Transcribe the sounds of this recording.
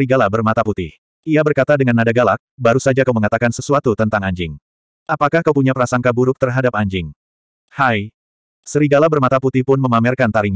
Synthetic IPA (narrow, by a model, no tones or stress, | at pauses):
iɡalabərmat̪aput̪ɪh | iabərkat̪adəŋanːadaɡalak̚baɾusad͡ʒakawməŋat̪akansəsuat̪ut̪ənt̪aŋaɲd͡ʒɪŋ | ʔapakahkawpuɲapəɾasaŋkabuɾʊk̚t̪ərɦadap̚aɲd͡ʒɪŋ | haj | səɾiɡalabərmat̪aput̪ɪhpʊnməmamɛrkant̪aɾiɲ